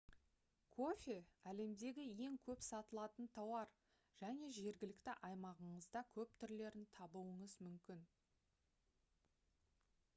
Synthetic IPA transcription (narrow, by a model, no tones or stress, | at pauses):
kʰo̞fʲeæle̞md̪e̞ɡʲɪje̞ŋkʲʰɵpsɑt̪əlˠɑt̪ənt̪ʰɑwɑɾ | ʒ̥æne̞ʒe̞ɾɡʲɪlɪkt̪ɪʔɑjmɑʁəɴəzd̪ɑkʲʰɵp̚t̪ʰʏɾle̞ɾɪnt̪ʰɑbuwəɴəzmʏmkʲɪn